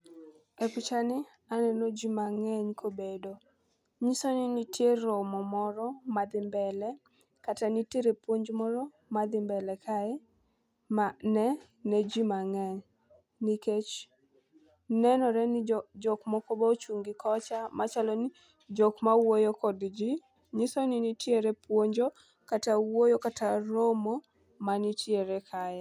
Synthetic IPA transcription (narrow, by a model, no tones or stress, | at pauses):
epit͡ʃanɪ | anɛnod͡ʒimaŋɛɲkʰobedo | ɲisonɪnitjeɾɔmɔmɔɾɔmad̪ɪmbɛlɛ | katanitiɾepwoɲd͡ʒmɔɾɔ | mad̪ɪmbɛlɛkʰaɛ | manɛ | nɛd͡ʒimaŋɛɲ | niket͡ʃ | nɛnɔɾɛnɪd͡ʒɔkmɔkɔbɔt͡ʃuŋɡikɔt͡ʃamat͡ʃalɔni | d͡ʒɔkmawojokɔdd͡ʒi | ɲɪsɔninitjeɾepwoɲd͡ʒo | katawojokataɾomo | manitjeɾɛkʰajɛ